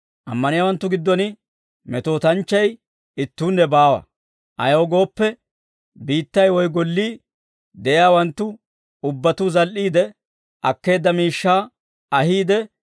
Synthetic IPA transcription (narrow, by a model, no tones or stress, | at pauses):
ʔɐ̰mːɐnɪjaːwɐnt̪ːʊɡɪd̪ːɔnɪ | mɛt̪o̞ːt̪ɐnt͡ʃːɐj | ɪt̪ːuːnːɛbaːwɐ̰ | ʔɐ̰joːɡo̞ːpːɛ | biːt̪ːɐjwɔjɡɔlːiː | d̪ɛʔjaːwɐnt̪ːʊ | ʊbːɐt̪uzɐlʔiːd̪ɛ | ʔɐkːe̞ːd̪ːɐmiːʃːaː | ɐɦiːd̪ɛ